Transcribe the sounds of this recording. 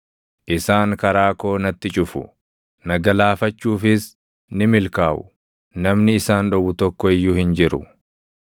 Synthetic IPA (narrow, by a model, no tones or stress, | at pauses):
ʔɪsaːŋkɐɾaːko̞ːnɐt̪ːɪt͡ʃʼʊfʊ̰ | nɐɡɐlaːfɐt͡ʃːuːfɪs | nɪmɪlkaːʔʊ̰ | nɐmnɪːsaːnᶑɔbʊt̪ɔkːɔɪjːʊhɪnd͡ʒɪɾʊ